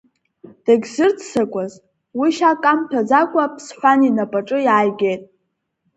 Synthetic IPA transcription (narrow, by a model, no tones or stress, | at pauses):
d̥aɡʲzɨrdʰsakʷʼaz | wiʃakʼamtʰad͡zakʷʼapʰsħʷᶣaninapʼaʈ͡ʂʼɨjaːjɡʲe̞jtʼ